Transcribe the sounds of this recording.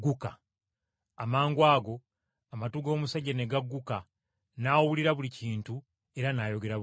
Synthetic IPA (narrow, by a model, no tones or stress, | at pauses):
ɡuka̰ | amaːŋɡwaːɡo̞ | amatuɡo̞ːmusaɟaneɡaɡːuka | naːwwuliɾaβuliciːntu | e̞ɾanajo̞ɡe̞ɾa